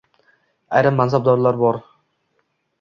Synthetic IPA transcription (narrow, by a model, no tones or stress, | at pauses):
a̰jɾamːansab̚d̪ɒɾlˠaɾbɒɾ